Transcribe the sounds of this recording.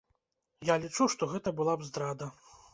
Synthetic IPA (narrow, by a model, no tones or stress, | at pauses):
jalʲit͡ʂuʂt̪ɔɣɛt̪ɐbɨlˠabzd̪ɾad̪ɐ